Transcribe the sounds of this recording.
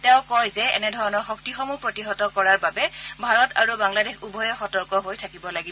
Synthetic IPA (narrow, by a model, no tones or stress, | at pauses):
tɛʊ̃kɔjzɛɛ̰nɛdʱɔɹɔnɔɹxɔktixɔmupɹotiɦɔtɔkɔɹaɹbabɛbʱaɹɔtʰa̰ɹubaŋladexubʱɔjɛxɔtɔɹkɔɦojtʰakibɔlaɡib